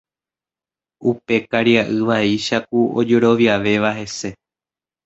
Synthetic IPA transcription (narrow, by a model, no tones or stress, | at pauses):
upe̞kaɾiaʔɨʋaiʃak̚uo̰d͡ʒe̞ɾo̞ʋjaʋe̞ʋaɦe̞se̞